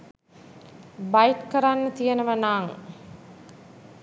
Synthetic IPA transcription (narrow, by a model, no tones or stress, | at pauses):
baiʈkəɾanːət̪ijənəʋənaːŋ